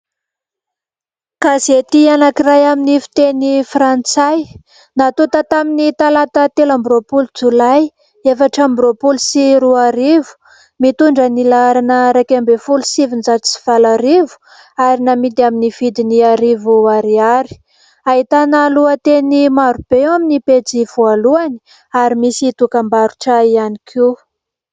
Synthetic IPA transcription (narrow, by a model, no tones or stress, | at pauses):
kazet̪ianakirajaminifi̥t̪enifrant͡saj | nat̪ut̪at̪aminit̪alat̪ət̪elambɾopulut͡sulaj | efaʈ͡ʂambɾopulusiɾuaɾivu̥ | mit̪uɳɖ͡ʐənilaɾanəɾakambefulusivinzat͡si̥v̥alaɾivu̥ | aɾinamid̪iaminiv̥id̪iniaɾivuaɾiaɾi̥ | aɦit̪analuat̪enimaɾub̥eaminiped͡ziv̥ualuani̥ | aɾimisit̪ukambaɾuʈ͡ʂəianikʰi